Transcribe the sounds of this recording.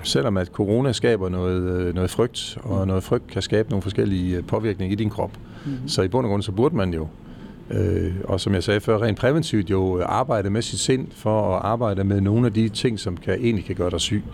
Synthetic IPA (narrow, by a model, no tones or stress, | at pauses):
sel̰ɒ̽mæd̥kʰo̝ʁo̝ːnæsɡ̥ɛ̰ːb̥ɐnɔ̽ːð̩ˠnɔ̽ːð̩ˠfʁœɡ̥̚d̥ɒ̽nɔ̽ːð̩ˠfʁœɡ̥̚d̥̚kʰæsɡ̥ɛːb̥əno̝ːn̩fɒsɡ̥el̰ipʰɒ̽ʋiɐɡ̥ne̝ŋɐid̥inkʰʁɒ̽b̥ | sɒ̽ib̥ɔ̽n̰ɡ̥ʁɔ̽n̰sɒ̽b̥uɐd̥əmænjo̝ | øɒ̽sɒ̽mjɑ̈ɪsɛːfɶɐ̰ʁḛːn̥pʰʁɛʋent͡sʰiʊd̥jo̝ʔɑ̈ːb̥ɑ̈ɪ̰ɾəmesinse̝n̰fɒ̽ɒʔɑ̈ːb̥ɑ̈ɪ̰d̥əmeðˠno̝ːn̩æd̥it͡sʰe̝ŋ̰sɒ̽mkʰæʔe̝̰ːnlikʰæɡ̥ɶːɐdɾɑɪsy̰ː